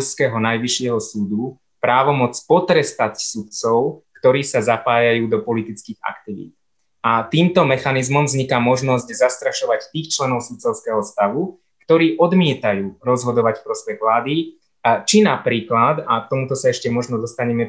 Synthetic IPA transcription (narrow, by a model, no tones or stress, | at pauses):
skɛɦɔnajʋiʃɪɛɦɔsuːd̪u | pɾaːʋɔmɔt͡spɔt̪ɾɛst̪at͡ssut̪t͡sɔʊkt̪ɔɾiːsazapaːjajuːd̪ɔpɔlit̪it͡skiːɣa̰kt̪iʋḭːt̪ | at̪iːmt̪ɔmɛxanizmɔmvzɲikamɔʒnɔzɟzast̪ɾaʃɔʋact̪iːxt͡ʃlɛnɔʊsut̪̚t͡sɔʊskɛːɦɔst̪aʋu | kt̪ɔɾiːʔɔd̪mɪɛt̪ajuːɾɔzɦɔd̪ɔʋacfpɾɔspɛɣʋlaːd̪i | t͡ʃinapɾiːklad̪at̪ɔmut̪ɔsaɛʃcɛmɔʒnɔd̪ɔst̪aɲɛmɛ